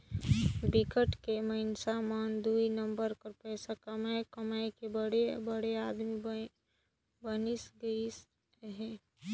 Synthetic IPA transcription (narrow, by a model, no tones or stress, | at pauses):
bɪkəʈkeməɪnsamand̪uinəmbəɾkəɾpɛːsakəmaekəmaːekebəɽebəɽeaːd̪mi | bənisɡəis | ɦɛ̃ː